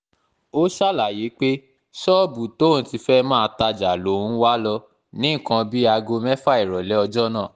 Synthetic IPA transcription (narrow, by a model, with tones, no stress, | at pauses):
o˦ʃa˦˨la˨ji˨˦k͡pe˦ | ʃɔ˦˨bu˨to˦˨n̩˨˦ti˧fɛ˦mãː˦˨˧ta˧d͡ʒa˨lo˨˦ũ˦wa˦lɔ˧ | nĩ˨˦˨kã˧bi˦a˧ɡo˧mɛ˦fa˦i˨ɾɔ˨lɛ˨˦ɔ˧d͡ʒɔ˦nãː˦˨